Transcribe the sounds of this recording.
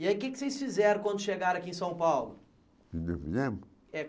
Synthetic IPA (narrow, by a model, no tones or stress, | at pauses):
iaikeksejsfizɛɾɐ̃kwɐ̃nd̪ʊʃeɡaɾɐ̃ɐkiẽsɐ̃w̃pawlʊ | vĩd̪evḭẽmb | ɛ